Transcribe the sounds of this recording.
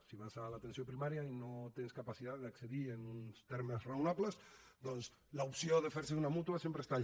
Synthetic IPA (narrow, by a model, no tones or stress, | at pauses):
siβasalat̪ensjopɾimaɾjainot̪enskapasiðaððakseðienunst̪eɾmezraunaβlesd̪ɔns | laupsjoðefeɾseunamut̪uasjempɾest̪a